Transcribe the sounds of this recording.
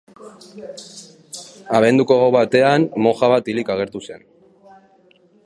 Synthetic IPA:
aβ̞e̞nd̪uko̞ɣoβat̪e̞anmo̞xaβat̪ilikaɣ̞e̞ɾt̪use̞n

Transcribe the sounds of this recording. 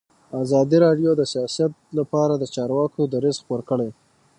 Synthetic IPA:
azɑd̪iɾɑɖjod̪əsijɑsijat̪̚lapɑɾad̪ət͡ʃɑɾwɑkod̪əɾezxpoɾkəɽej

